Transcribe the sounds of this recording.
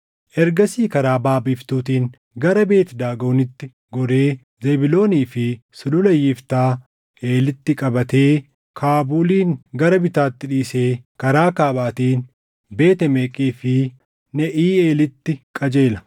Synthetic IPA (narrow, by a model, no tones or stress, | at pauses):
ʔɛɾɡɐsiːkɐɾaːbaːbift̪uːt̪iːŋ | ɡɐɾɐbe̞ːt̪ɛd̪aːɡoːnɪt̪ːɪ | ɡɔɾe̞ː | zɛbɪlo̞ːniːfɪ | sʊlʊlɐjːɪft̪aː | ʔe̞ːlɪt̪ːɪkʼɐbɐt̪eː | kʰaːbuːliːŋɡɐɾɐbɪt̪aːt̪ːɪᶑiːseːkɐɾaːkaːbaːt̪iːn | be̞ːt̪ɛmeːkʼiːfɪ | nɛʔiːeːlɪt̪ːɪkʼɐd͡ʒeːlɐ